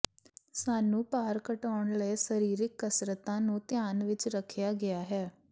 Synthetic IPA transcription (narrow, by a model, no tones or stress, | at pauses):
saːnũːpaːɾkəʈaːʊɳləeːsəɾiːɾɪkːəsɾət̪ãːnũːt̪ɪjaːnʋɪt͡ʃɾəkʰːjaːɡɪaːɦɛː